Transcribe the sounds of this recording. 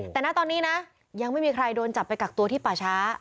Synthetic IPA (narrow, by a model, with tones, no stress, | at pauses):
t̪ɛː˨˩na˦˥˩t̪ɔː˧nːiː˦˥na˦˥ | ja˧ŋma˥˩jmiː˧kʰɾa˧jdoː˧nt͡ɕa˨˩pːa˧jkaː˨˩k̚t̪u˧əiː˥˩paː˨˩t͡ɕʰaː˦˥